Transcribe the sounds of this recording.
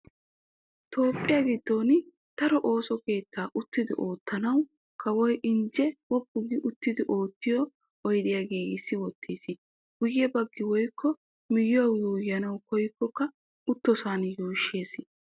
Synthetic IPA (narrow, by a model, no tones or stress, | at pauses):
t̪o̞ːpʼːɪjaɡɪd̪ːoːn | t̪ɐɾɔʔoːsɔke̞ːt̪ːaːʔʊt̪ːɪd̪ɪ̰ʔo̞ːt̪ʰːɐnɐw | kʰɐwɔjʔɪnd͡ʒɛwɔbʊɡɪʔʊt̪ːɪd̪ɪʔo̞ːt̪ːɪjɔ | ɔjd̪ɪjaɡeːɡɪsːɪwɔt̪ːiːsɪ | ɡʊjɛbɐɡːɪwɔjkʰːɔ | mɪjʊwɐwjuːjːɐnɐwkɔjkːɔkːɐ | ʊt̪ːɔsaːnjuːʃːe̞ːsɪ